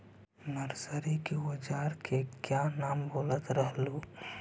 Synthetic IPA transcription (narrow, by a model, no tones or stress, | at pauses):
nəɾsəɾikeəd͡ʒaɾkʰekjanaːmboːlət̪ɾəɦlu